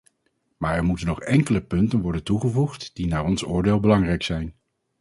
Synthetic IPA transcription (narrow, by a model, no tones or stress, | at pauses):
maːɹɛɹmutənːɔχɛŋkələpɵntənʋɔɹdəntuχəvuχtd̥inaːɹɔnsʊːɹdɪːlˠbəlɑŋrɛjksɛjn